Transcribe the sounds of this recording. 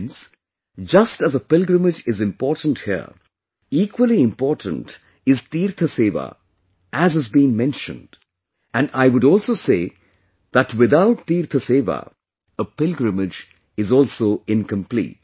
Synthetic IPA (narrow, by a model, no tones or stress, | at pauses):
ns | d͡ʒʌstəzəpɪlɡɾəmɪd͡ʒɪzɪ̃mpɔːɾtə̃n̩thḭə̰ | iːkwəlˠiɪ̃mpɔːɾʈə̰̃n̩t | ɪztiːɾt̪ʰəseːʋa̰ | ʔæzɨzbĩŋmɛ̃nʃə̰̃nd̥ | æ̃naɪwʊɾɔːlˠsoseː | ð̥ætwɪðaʊtːiːɾt̪ʰəsevə̰ | əpɪlɡɾɨmɪd͡ʒ | ɪzɔlˠsoːɪ̃nkə̃mplḭːt̚